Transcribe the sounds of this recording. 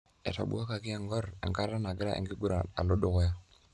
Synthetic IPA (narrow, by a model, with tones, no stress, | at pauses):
ɛ̰˨ta̰˨bṵ˦a˦ka˨kɪ˦a˨ŋɡɔ˦ɾɛ̰˨ŋka˦ɾa˦na˨ɡɪ˦ɾa̰˦ʔɛ̰˨ŋɡɪ˦ɡu˦ɾa˨na̰˨lo˦dʊ˦˨kɔ˦ja˦